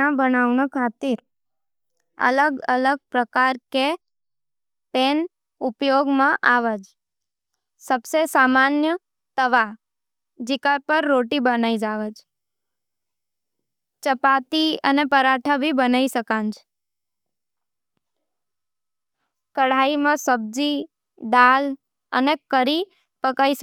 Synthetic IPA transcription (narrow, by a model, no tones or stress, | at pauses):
ãbənaʋɳəkʰat̪iɾ | ə̰ləɡələɡ̚pɾəkaɾke | pen | upjoɡmãʔaʋəd͡ʒ | səbsesamanjə | t̪əʋa | d͡ʒikaɾpəɾːoʈibənaid͡ʒaʋəd͡ʒ | t͡ʃəpat̪iə̰nepəɾaʈʰəbibənaiʃəkãnd͡ʒ | kəɽ̤aimãsəb̚d͡ʒi | d̪al | ə̰nekəɾi | pəkaiʃə